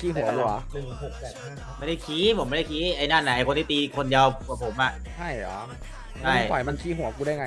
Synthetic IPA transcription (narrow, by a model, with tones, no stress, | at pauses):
kʰiː˥˩ɦu˨˩˦kʰu˧˩a˧˩ | ma˥˩da˥˩kʰiː˦˥pʰo˩˦mːa˥˩da˥˩kʰi˦˥ʔa˧jnaː˥˩na˨˩˦ʔkʰo˧nt̪ʰiː˥˩t̪iː˧kʰo˧nja˧wkwaː˨˩pʰo˨˩˦mʔa˨˩ʔ | t͡ɕa˥˩jlɔ̰ː˨˦ | a˧˥˩jɔ˨˩˦jma˧nkʰiː˥˩ɦu˨˩˦kuː˧da˥˩jŋa˧